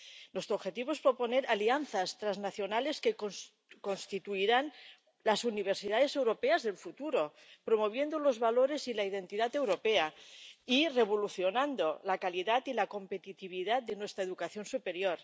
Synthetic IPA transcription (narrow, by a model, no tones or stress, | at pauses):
nwe̞st̪ɾoβxe̞t̪iβoespɾo̞po̞ne̞ɾalianθast̪ɾaznaθjo̞nale̞skeko | konst̪it̪uiɾan | lasuniβ̞eɾsiðað̞e̞se̞wɾo̞peazðelfut̪uɾo̞ | pɾomo̞β̞je̞nd̪olo̞zβalo̞ɾe̞silaið̞e̞nt̪iðat̪e̞wɾo̞peaire̞β̞oluθjonand̪olakaliðat̪ilako̞mpe̞t̪it̪iβ̞iðat̪̚d̪enwe̞st̪ɾaeðukaθjo̞nsupe̞ɾjoɾ